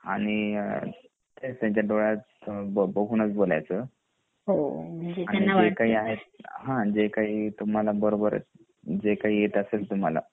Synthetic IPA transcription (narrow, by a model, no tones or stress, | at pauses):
a̰ɽ̃i | t̪est̪aɲt͡ɕaɖoɭat͡s | bəbəɡʱunət͡sbola̰jt͡sə | ɦoañid͡zekaɦiːaɦet̪̚ɦãd͡zekaɦiːt̪um̤alabəɾobəɾ | d͡zekaɦiːjet̪əselt̪um̤ala̰